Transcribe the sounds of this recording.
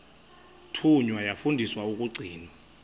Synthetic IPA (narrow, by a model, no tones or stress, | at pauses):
tʰuɲwajafundʱiswauk̬ʼuɡ͡ǀʱiːnwa